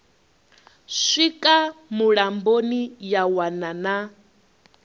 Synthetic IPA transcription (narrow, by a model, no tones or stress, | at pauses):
ʂikʼamuɺambonijawanana